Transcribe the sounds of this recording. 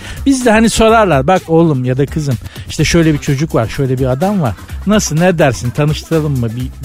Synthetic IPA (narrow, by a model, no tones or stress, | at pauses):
bizd̪ɛhaniso̞ɾaɾlˠaɾbako̞lˠumjad̪akʰɯzɯmiʃt̪ʰɛʃø̞jlʲɛbit͡ʃʰo̞d͡ʒukvaɾʃø̞jlʲɛbiad̪amvaɾ̥nasɯlˠnɛd̪æɾsint̪ʰanɯʃt̪ʰɯɾalˠɯmːɯbi